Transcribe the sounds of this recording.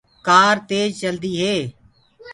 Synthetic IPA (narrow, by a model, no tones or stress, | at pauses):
kaːɾt̪eːd͡ʒt͡ʃəld̪iːɦeː